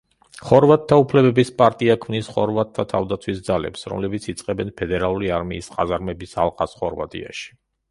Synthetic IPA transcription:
χɔɾvat̪̚ʰːaupʰlɛbɛbispʼaɾt̪ʼiakʰmnisχɔɾvat̪̚ʰːat̪ʰavd̪at̪sʰwisd̪zalɛ̰psɾɔ̰mlɛbit̪sʰit̪sʼqʼɛbɛnpʰɛd̪ɛɾalˠuɾiaɾmiːsqʼazaɾmɛbisa̰lˠqʼasχɔɾva̰t̪ʼḭa̰ʃi̥

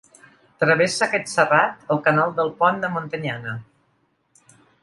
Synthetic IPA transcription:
t̪ɾəβ̞esəaːkɛt̪sərat̪əlˠkənalˠd̪əlˠpɔnd̪əmont̪əɲanə

